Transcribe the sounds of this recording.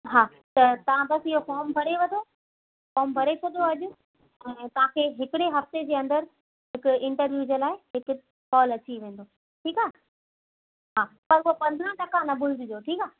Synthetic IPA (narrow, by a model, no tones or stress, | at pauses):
ɦaː | t̪ɐt̪ɐʋ̤ãbɐsɪɦofɔːmbʱɐɽeʋɐ̃d̪ʰʱo | fɔːmbʱɐɾeoɗ̪oɐʄʊ | ɛ̃ːt̪ɐʋ̤ãkʰeːɦɪkɪɽeɦɐft̪ed͡ʑeːɐ̃nd̪əɾ | ɦɪkʊɪ̃ɳʈəɾʋjud͡ʑəlaːɪɦɪkʊ | kɔːlɐt͡ɕiʋẽːn̆d̪oː | ʈʰiːkaː | ɦaːpɐɾʊɦopɐ̃nd̪ʱɾə̃ʈɐkãnɐbʱʊlɪd̪ɪd͡ʑoʈʰiːkaː